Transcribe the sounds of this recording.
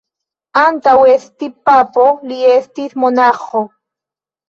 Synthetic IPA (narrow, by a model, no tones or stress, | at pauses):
ant̪awest̪ipapoliest̪it̪mʊnɑχo